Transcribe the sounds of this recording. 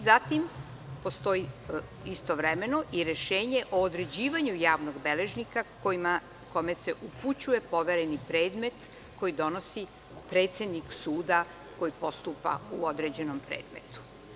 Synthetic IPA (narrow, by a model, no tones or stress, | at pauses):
zat̪im | po̞st̪o̞i | ist̪o̞ʋɾeme̞noʔiɾeʃeːɲe̞ʔoːd̪ɾe̞d͡ʑiːʋaɲujaːʋno̞ɡbele̞ʒnikakma | ko̞me̞se̞ʔuput͡ɕuje̞po̞ʋeɾenipɾe̞ːd̪me̞t̪ | ko̞jid̪o̞no̞si | pɾe̞ːt̪sed̪niksuːd̪a | ko̞jipo̞st̪uːpa̰uod̪ɾed͡ʑe̞no̞mpɾḛːd̪me̞̰t̪u̥